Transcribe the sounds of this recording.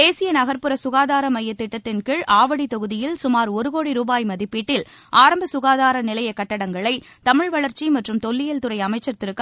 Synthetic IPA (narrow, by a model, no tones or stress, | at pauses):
eːsɪjɐnɐɣɐɾpɯɾɐsʊɣaːðaːɾɐmɐjːɐt̪ːɪʈːɐt̪ːɪnkɪɻʔaːʋɐɽit̪ɔɣɯðɪjɪlsʊmaːɾɔɾɯɣoːɽiɾuːbaːjmɐðɪpːiːʈːɪl | ʔaːɾɐmbɐsʊɣaːðaːɾɐnɪlɐjɐkːɐʈːɐɽɐŋɡɐɭɐɪ | t̪ɐmɪɻʋɐɭɐɾt͡ʃimɐʈrɯmt̪ɔlːɪjɐlt̪ɯɾɐɪɐmɐɪt͡ʃːɐɾt̪ɪɾɯkː